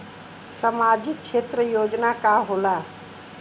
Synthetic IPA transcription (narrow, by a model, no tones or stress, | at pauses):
səmaːd͡ʒɪk̚t͡ʃʰeːt̪ɾəjoːd͡ʒnakaɦolaː